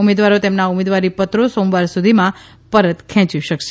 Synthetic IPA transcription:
umed̪ʋaɾot̪emnaumed̪ʋaɾipət̪ɾosõmʋaɾsud̪ʱimã | pəɾət̪kʰɛ̃t͡ʃiʃəkʃe

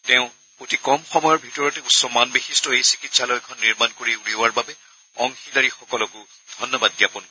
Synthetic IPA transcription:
tɛʊ̃ | kotikɔmxɔmɔjɔɹbʱitɔɹɔtɛusɔmanbixistɔejsi̥kitsalɔjkʰɔnːiɹmankoɹiuɹiwaɹbabɛ | ɔ̰ŋxidaɹixɔkɔlɔkʊ | d̥ʱɔnːɔbadːiapɔnkɔ

